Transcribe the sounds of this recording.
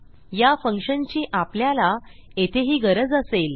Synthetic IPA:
jafəŋkʂənt͡ɕĩːʔapljalaet̪ʰeɦiːɡəɾəd͡zəsel

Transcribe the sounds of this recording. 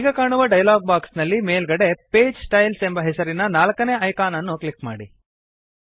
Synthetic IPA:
iɡɐkaːɳuʋɐɖɐjlaːɡ̚baːksnɐlːimeːlɡɐɽe̞peːd͡ʒsʈɐjlsembɐɦɛsɐɾinɐnaːlɐkɐne̞ːɐjkaːnɐnːuklikma̰ːɽi

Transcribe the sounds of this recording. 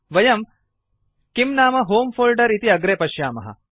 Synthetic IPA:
ʋɐjɐm | kimnaːmɐɦoːmpʰoːlɖɐɾit̪iɐɡɾeːpɐʃjaːmɐɦɐ̰

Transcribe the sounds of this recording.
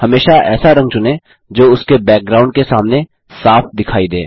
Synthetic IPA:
hɐmeːʃaʔɛ̰ːsaɾɐ̃ŋɡ̚t͡ʃʊnẽ | d͡ʒoːʊskebɛːk̚ɡɾaːʊ̃ɳɖ̚kesaːmne | saːfd̪ɪkʰaːid̪ḛː

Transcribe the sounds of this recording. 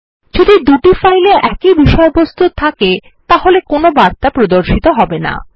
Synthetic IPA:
d͡ʑod̪id̪uʈifajleʔɛkibiʃɔjbost̪ʰut̪ʰake | t̪aɦolekonobaɾt̪apɾod̪oɾʃit̪oɦɔbena̰

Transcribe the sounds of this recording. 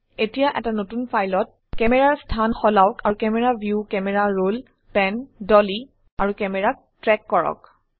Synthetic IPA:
etijaʔɛtanotunpʰajlɔt̚ | kɛmɛɹaɹstʰanxɔlawkaɹukɛmɛɹabʱjukɛmɛɹaɹul | pɛndɔli | aɹukɛmɛɹak̚ | tɹɛkːɔɹɔ̰k

